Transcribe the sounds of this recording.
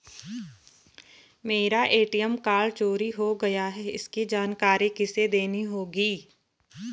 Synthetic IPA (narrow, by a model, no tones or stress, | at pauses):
meːɾaʔeːʈijəmkaːɭt͡ʃoːɾiɦoɡɐjaɦɛɪ̰skid͡ʒaːnkaːɾikɪsed̪eːniɦoːɡiː